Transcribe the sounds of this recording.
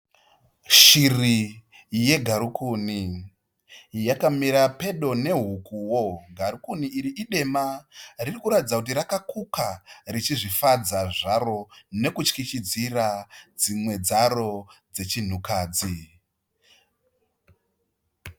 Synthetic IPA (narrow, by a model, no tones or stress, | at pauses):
ʃiri | je̞ɡʱaɾukʰuːni | jakamiɾape̞ɗo̞ne̞ɦukuwo̞ɡʱaɾukuniiɾiʔiɗe̞maririkuɾatid͡zakutiɾakakukarit͡ʃiʐifad͡zaʐaɾo̞ne̞kut͡ʃkit͡ʃid͡zirad͡zimwe̞d͡zaro̞d͡ze̞t͡ʃin̤ukaːd͡zi